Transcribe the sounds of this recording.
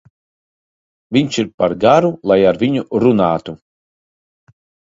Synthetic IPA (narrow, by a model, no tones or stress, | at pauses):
vʲiɲʃiɾpaɾɡaɾulˠajaɾvʲiɲuɾunaːt̪u